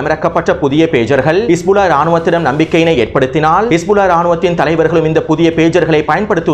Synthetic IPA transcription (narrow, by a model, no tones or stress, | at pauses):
ɐmɪɾɐkːɐpːɐʈrːɐpʊðɪjɐpeːd͡ʒɐɾɣɐɭɪsbʊlaːɾaːɳɯʋɐt̪ːɪɽɐmnɐmbɪkːɐjɪnɐɪeːrpɐɽɯt̪ːɪnaːlɪsbʊlaːɾaːɳɯʋɐt̪ːɪnt̪ɐlɐɪʋɐɾɣɐɭɯmɪnd̪ɐpʊðɪjɐpeːd͡ʒɐɾɣɐɭɐɪpːɐjɐnpɐɽɯt̪ːɯ